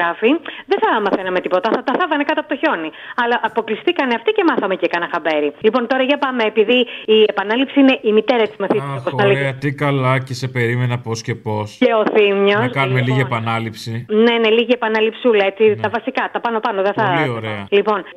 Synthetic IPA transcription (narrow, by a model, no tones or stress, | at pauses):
ɾɐfiðeθɐmɐθenɐme̞t̪ipo̞t̪ɐθɐt̪ɐθɐvɐnekɐt̪oɐpot̪oço̞niɐlɐʔːpo̞klisθikɐneɐft̪ice̞mɐθɐme̞cekɐnɐxɐbe̞ɾilipo̞nt̪o̞ɾɐʝɐpɐmeːpiðiːe̞pɐnɐlipsiine̞ʔimit̪eɾɐett͡simɐθiokosɐlieɐt̪ikɐlɐcese̞pe̞ɾimenɐposce̞po̞sceo̞θimɲo̞skɐnmeliʝiepɐnɐlipsinene̞liʝiepɐnɐlipsulɐet͡sit̪ɐvɐsikɐt̪ɐpɐno̞pɐnoðeθɐioɾeɐlipo̞n